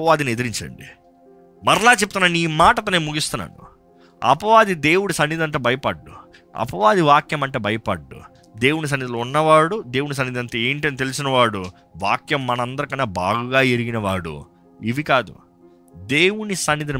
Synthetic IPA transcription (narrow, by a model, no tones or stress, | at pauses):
ɐʋaːd̪inied̪iɾiɲt͡ʃɐ̰ɳɖḭ | mɐɾɐlaːt͡ʃep̬ut̪unːaːniːmaːʈɐt̪ɐneːmuɡist̪unːa̰ːnṵ | ɐ̰pɐʋaːd̪id̪e̞ːwuɽisɐnːid̪ɐnt̪oːbɐjɐpɐɖːu | ɐ̰pɐʋaːd̪iʋaːkjɐmɐɳʈeːbɐjɐpɐɖːṵ | d̪e̞ːwunis̬ɐnːid̪ilounːɐʋaːɽud̪e̞ːwunis̬ɐnːid̪ɐnt̪ɐe̞ːɳʈɐnit̪e̞lisinɐʋaːɽu | ʋaːkjɐmːɐnɐɐnd̪ɐɾikɐnːaːbaːɡuɡaːeɾiɡinɐʋaːɽṵ | iʋikaːd̪ṵ | d̪e̞ːwunisɐnːid̪ini